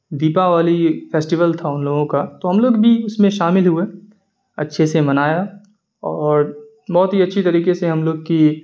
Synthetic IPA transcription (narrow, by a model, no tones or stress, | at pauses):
d̪iːpaʋaːlifeːsʈiʋəlt̪ʰaʊnloːɡõkat̪oɦɐmloːɡbʱiʊsmẽʃaːmɪlɦʊe | ɐ̰tːʃʰesemɐnaːja | ɔːɾ | bɔːt̪ɦiɐtːʃʰit̪ɐɾiːkeseɦɐmloːɡki